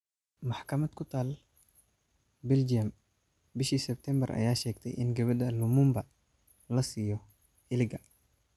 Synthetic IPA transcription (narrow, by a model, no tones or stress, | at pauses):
mɑħkʰɐmɐd̪kʰʊt̪ʰaːl | bɛld͡ʒiɐm | bɪʃiːsɛb̚t̪ʰɛmbɐrʔɐ̰jaːʃɛːɡt̪ʰɛ̰jʔɪ̰nɡɐβɐd̪ɐlʊmʊmbɐ | lɐsiːjɔ | ɪlɪɡɐ